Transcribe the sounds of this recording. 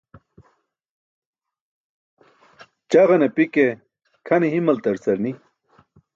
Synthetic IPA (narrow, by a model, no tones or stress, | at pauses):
t͡ɕɐʁɐnepike | kʰɐniɦimɐlt̪ɐɾsɐɾni